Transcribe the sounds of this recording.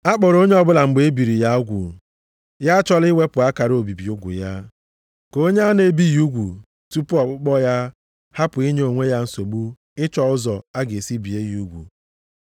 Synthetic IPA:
a˦k͡pɔ˨ɾo˦ɲe˦ɔ˨bʊ˦la˨ŋ͡m̩˨ɡ͡be˦bi˨ɾi˨ja˦ʊ˦ɡʷʊ̰˨ | ja˦t͡ʃɔ˦lɪ˦we˦pʊ˨a˦ka˨ɾo˨bi˨bi˨ʊ˦ɡʷʊ̰˨ja˦ | ko˦ɲe˦a˦ne˨bi˦ju˦ɡʷu˨ | tu˦pʊ˦ɔ˨k͡pʊ˦k͡pɔ˦ja˦ | ha˦pʊ˨i˦ɲe˦o˨ŋʷe˦ja˦n̩˦so˨ɡ͡bu˦ | ɪ˦t͡ʃɔ˨ʊ˦zɔ˨a˦ɡe˨si˦bi˨e˦ju˦ɡʷṵ˨

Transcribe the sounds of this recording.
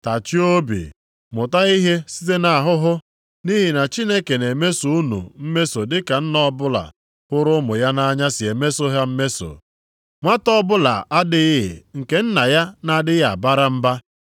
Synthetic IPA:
ta˨t͡ʃi˦o˦bḭ˨ | mʊ˨ta˦i˦ɦe˦si̥˦te˦na˨a˨ɦʊ˦ɦʊ˦ | ni˦ɦi˨na˨t͡ʃi˦ne˦ke˨ne˨me˦so˨u˦nṵ˨m̩˦me˦so˨dɪ˦ka˨n̩˦nɔ˦bʊ˦la̰˨ | kʊ˦ɾʊ˦mʊ˨ja˦na˦ɲa˦sɪ˨e˨me˦so˦ɦa˦m̩˦me˦so̰˨ | ŋʷa˦tɔ˦bʊ˦la̰˨a˦dɪ˦ɣɪ˦˨ŋ̩˨ke˦n̩˦na˨ja˦na˨dɪ˦ɣa̰˨ba˦ɾa˦m̩˦ba˦

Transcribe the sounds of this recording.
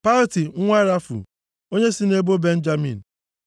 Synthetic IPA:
pa˦lti˨ŋ̩˦ŋʷa˦ɾa˦fṵ˨ | o˦ɲe˦si˦ne˦bo˦be˦n̩˦d͡ʒa˦mḭ˨n̩˨

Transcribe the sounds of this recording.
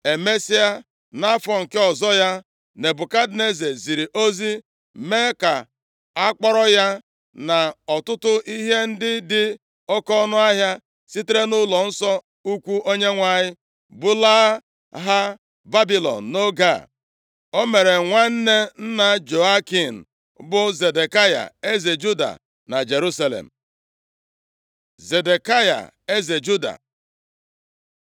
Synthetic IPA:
e˨me˦si˦a˦ | na˦fɔ˨ŋ̩˨ke˦ɔ˨zɔ˦ja˦ | ne˨bʊ˨ka˦dne˦ze˨zi˨ɾi˨ʔo˦zi˦ | me˦ka̰˨ | a˦k͡pɔ˦ɾɔ˦ja˦ | na˨ɔ˨tʊ˦tʊ˦i˦ɦe˦n̩˦dɪ˦dɪ˦ | ɔ˦kɔ˦nʊ˦a˦ɦja˦ | si˦te˦ɾe˦nʊ˦lɔ˨n̩˦sɔ˦ | u˦kʷu˦ʔo˦ɲe˦ŋʷa˦˨ɲɪ˦ | bʊ˦laː˦ | ɦa˦ | ba˦bi˦lɔ̰˨n̩ː˨o˦ɡa̰˦˨ | o˦me˨ɾe˨ŋʷa˦n̩˦ne˦n̩˦na˦d͡ʒo˨a˦ki˨n̩˨ | bʊ˦ze˨de˨ka˦ja̰˨e˦ze˨d͡ʒu˦da̰˨ | na˨d͡ʒe˨ɾu˦sa˦lḛ˨m̩˨ | ze˨de˨ka˦ja̰˨ | e˦ze˨d͡ʒu˦da̰˨

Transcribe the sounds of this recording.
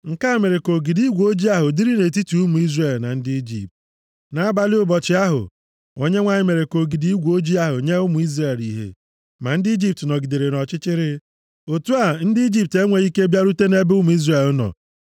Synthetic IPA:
ŋ̩˨ka˦˨me˨ɾe˨ko˨ɡi˨di˦ɡʷo˦d͡ʒi˦a˦ɦʊ˨di˦ɾi˦ne˨t̬i˦tu˨u˦mu˨˦i˦zre˦˨lna˨n̩˦di˦i˦d͡ʒḭ˨p̚t | na˦a˦ba˨lɪ˦ʊ˦bɔ˨t͡ʃɪ˨˦a˦ɦʊ̰˨ | o̰˨ɲe˦ŋʷa˨ɲɪ˦me˨ɾe˨ko˨ɡi˨di˦ɡʷo˦d͡ʒi˦a˦ɦʊ˨ɲe˦ʊ˦mʊ˨i˦zre˨li˨ɦḛ˨ | ma˨n̩˦dɪ˦i˦d͡ʒi˦p̚tnɔ˨ɡi˨de˨ɾe˨nɔ˨t͡ʃɪ˦t͡ʃɪ˦ɾɪ˦ | o˨tu˦a˨n̩˦dɪ˦i˦d͡ʒi˦p̚te˦ŋʷe˨i˦ke˦bja˦ɾu˦te˦ne˦bʊ˦mu˨i˦zre˦˨l̩˦nɔ̰˨

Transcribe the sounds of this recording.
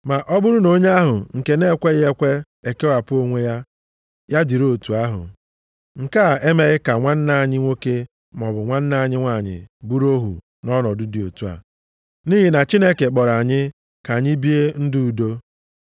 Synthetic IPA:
ma˨ʔɔ˦bʊ˦ɾʊ˦no˦ɲa˦ɦʊ˨ŋ̩˨ke˦ne˦kʷe˦ɣɪ˦e˦kʷe˦ | e˨ke˦wa˨pʊ˦o˦ŋʷe˦ja˦ | ja˦di˨ɾo˨tu˨a˦ɦʊ̰˨ | ŋ̩˨ka˦˨e˦me˦ɣɪ˦ka˨ŋʷa˦n̩˦na˦a˨ɲɪ˦ŋʷo˦ke˦ | m˨ɔ˨bʊ˨ŋʷa˦n̩˦na˦˨ɲɪ˦ŋʷa˦˨ɲɪ̰˨bu˦ɾo˦ɦṵ˨ | nɔ˦nɔ˨dʊ˦dɪ˨o˨tu˦a̰˨ | ni˦ɦi˨na˨t͡ʃi˦ne˦ke˨k͡pɔ˨ɾa˨ɲɪ˦ | ka˨ɲɪ˦bi˦e˦n̩˦du˦u˨do˦

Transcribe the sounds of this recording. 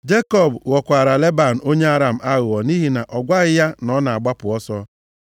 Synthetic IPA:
d͡ʒe˦kɔ˦˨bɣɔ˨kʷa˨ɾa˨le˦ba˨n̩˨o˦ɲe˦a˦ɾa˨m̩˨a˦ɣʊ˨ɔ˨ni˦ɦi˨na˨ʔɔ˨ɡʷa˦ɣɪ˦ja˦nɔ˦na˨a˨ɡ͡ba˦pʊ˨ɔ˦sɔ˦

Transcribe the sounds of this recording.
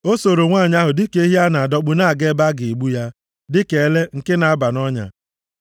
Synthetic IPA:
o˦so˨ɾo˨ŋʷaː˦˨ɲa˦ɦʊ˨dɪ˦ke˦i˦ɦja˦na˨a˨dɔ˨k͡pʊ˦na˦˨ɡe˦ba˦ɡɪ˨ɡ͡bu˦ja˦ | dɪ˦ke˨e˦le˦ŋ̩˨kɪ˦na˨a˦ba˨nɔ˦ɲa̰˨

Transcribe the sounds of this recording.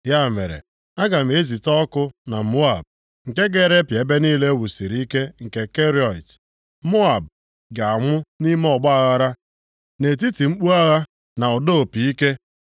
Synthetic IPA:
ja˦˨mḛ˨ɾḛ˨ | a˦ɡa˨m̩˨e˦zi˨tɔ˦kʊ˦na˨mo˦a˨b̚ | ŋ̩˨ke˦ɡe˨˦ɾe˦pje˨be˦niː˦le˦wu˨si˨ɾi˦ke˦ŋ̩˨ke˨ke˦ɾi˦ɔ˨i˨t | mo˦a˨b̚ | ɡa˨a˨ŋʷʊ˦ni˦m˦ɔ˨ɡ͡ba˦a˨ɣa˦ɾa˦ | ne˨t̬i˦ti˨ŋ͡m̩˦k͡pu˦a˦ɣa˦ | na˨ʊ˨do˦o˨pi˨i˦ke˦

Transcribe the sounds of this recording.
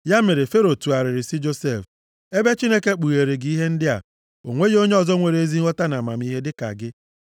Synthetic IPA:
ja˦mɪ˨ɾɪ˨fe˦ɾo˨tu˨a˨ɾɪ˨ɾɪ˨sɪ˦d͡ʒo˦se˦˨f | e˦be˦t͡ʃi˦ne˦ke˦k͡pu˨ɣe˨ɾe˨ɡi˦ɦe˦n̩˦dɪ˦a̰˨ | o˨ŋʷe˦jo˦ɲe˦ɔ˨zɔ˦ŋʷe˨ɾe˦e˦zi˦ɦɔ˦ta˦na˨ma̰˨m˦i˦ɦe˦dɪ˦ka̰˨ɡɪ˦

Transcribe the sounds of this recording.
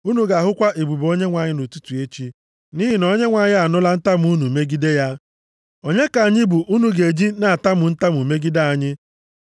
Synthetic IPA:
u˦nu˨˦ɡa˨ɦʊ˦kʷa˦ʔe˨bu˨bo˦ɲe˦ŋʷa˨ɲɪ˦nu˨tu˦tu˨e˦t͡ʃi˦ | ni˦ɦɪ˨nɔ˦ɲe˦ŋʷa˨ɲɪ˦a˨nʊ˦la˦n̩˦ta˦m˦u˦nu˨me˦ɡi˦de˦ja˦ | o˨ɲe˦ka˨a˨ɲɪ˦bu˨ʔu˦nu˦ɡe˨d͡ʒi˦na˨a˨ta˦mʊ˨n̩˦ta˦mu˨me˦ɡi˦da˦a˨ɲɪ˦

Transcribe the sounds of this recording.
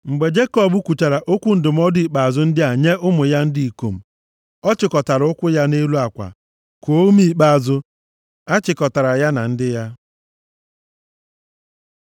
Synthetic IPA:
ŋ͡m̩˨ɡ͡be˨d͡ʒe˦kɔ˦˨bʊ˦kʷu˨t͡ʃa˨ɾa˨ʔo˦kʷu˦n̩˨dɪ˨m̩˦ɔ˦dʊ˦i˨k͡pa˨a˨zʊ˦n̩˦dɪ˦a˨ɲe˦ʔʊ˦mʊ˨ja˦n̩˦di˦i˨ko̰˨m̩˨ | ɔ˦t͡ʃɪ˨kɔ˨ta˨ɾʊ˦kʷʊ˦ja˦ne˦lu˦a˨kʷa̰˨ | ko˦mi˦k͡pa˦˨zʊ˦ | a˦t͡ʃɪ˨kɔ˨ta˨ɾa˨ja˦na˨n̩˦dɪ˦ja˦

